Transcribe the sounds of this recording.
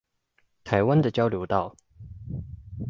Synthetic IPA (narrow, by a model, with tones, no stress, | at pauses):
t̪ʰa˨˥ɪwa˦nd̪ə˨t͡ɕjɑ˥ʊljo˧˥ʊt̪ɑ˥˨˩ʊ